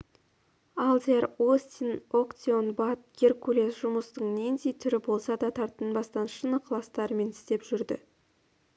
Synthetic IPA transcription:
ɑlˠd̪erost̪ʲino̞kt̪ʲionbat̪̚ɡʲerkʰulʲesʒ̥ʊməst̪əɴnʲend̪ejt̪ʰʏɾɪbo̞lˠsɑd̪ɑt̪ʰɑɾt̪ənbɑst̪ɑnʃənəqʰlˠɑst̪ɑɾəme̞nɪst̪e̞pʒ̥ʏɾd̪ɪ̰

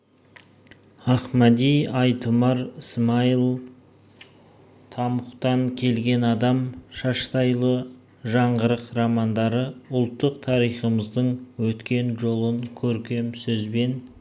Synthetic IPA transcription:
ɑχmæd̪ijɑjt̪ʰəmɑɾəsmɑilˠ | t̪ʰɑməqt̪ɑŋkʲʰe̞lɡʲe̞nɑd̪ɑmʃɑʃt̪ɑjlˠə | ʒɑɴʁəɾəqɾɑmɑnd̪ɑɾəʊlˠt̪ːəq̚t̪ʰɑɾijχəməzd̪əɴwɵt̪kʲe̞nʒo̞lˠəŋkʲʰɵɾkʲe̞msɵzbe̞n

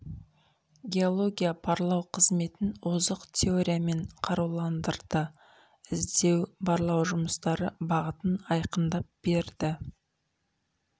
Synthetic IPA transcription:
ɡʲe̞o̞lˠo̞ɡʲijapʰɑɾlˠɑwqʰəzme̞t̪ɪnwozəqt̪ʲʰe̞o̞ɾʲijame̞ɴqʰɑɾuwlˠɑnd̪əɾd̪ə | ɪzd̪e̞wbɑɾlˠɑwʒʊməst̪ɑɾəbɑʁət̪ənɑjqənd̪ɑp̚b̥e̞ɾd̪ɪ

